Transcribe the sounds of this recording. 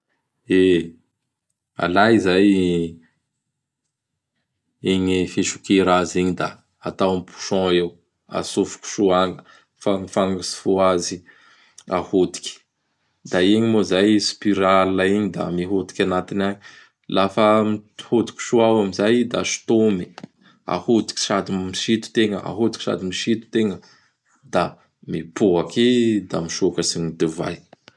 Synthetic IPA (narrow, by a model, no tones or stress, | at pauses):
e | a̰lajizaj | eɲifeʃukeɾaziɲid̪aː | t̪awmipu̥ʃɔ̃ew | a̰sufu̥kʲu̥ʃuaŋɡə̥ | faŋifaŋɡəsi̥fuazi | a̰hod̪i̥kʲi̥ | d̪aiɲimozajspiɾalːaiɲid̪a̰miɦod̪i̥kʲanat̪inaɲi | lafəmihod̪i̥kʲi̥ʃuawamizajd̪aʃi̥t̪omi̥ | a̰hod̪i̥kʲi̥ʃad̪imiʃit̪u̥t̪eŋəa̰ɦod̪i̥ki̥ʃa̰d̪imiʃit̪u̥t̪eŋə | d̪a | mipuakid̪amiʃukəsiɲid̪eva̰j